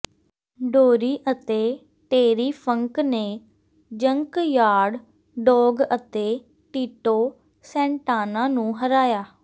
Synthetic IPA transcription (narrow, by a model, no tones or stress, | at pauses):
ɖoːɾiːʔət̪eː | ʈeːɾiːpʰəŋkneː | d͡ʒəŋkjaːɽ | ɖɔːɡət̪eː | ʈiːʈoː | sɛ̃ːɳʈaːnãːnũːɦəɾaːjaː